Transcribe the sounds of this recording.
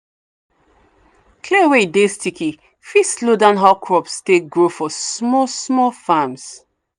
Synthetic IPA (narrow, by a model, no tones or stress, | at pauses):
kʰleweidestʰiki | fislodãnɦaʊkʰɹɔpsteɡɹofɔsmɔsmɔfams